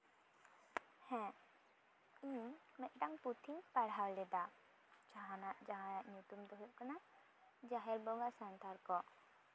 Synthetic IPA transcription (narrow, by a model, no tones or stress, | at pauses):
hɛ̃ | iɲmɛt̪̚ˀʈaŋput̪ʰiɲpaɽawlɛd̪a | t͡ʃaɦãnaʔd͡ʒaɦãnaʔɲut̪umd̪ɔɦuʔ̚kana | d͡ʒaɦɛlbɔŋasant̪ʰaɾkɔ